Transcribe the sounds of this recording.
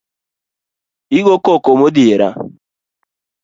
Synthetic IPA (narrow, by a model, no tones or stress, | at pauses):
iɡokokomod̪ieɾa̰